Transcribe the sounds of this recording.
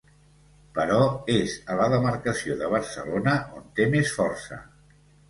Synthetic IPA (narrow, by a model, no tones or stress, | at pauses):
pəɾɔezələðəməɾkəsioðəβ̞əɾsə̰lonəʔont̪emesfɔrsə̰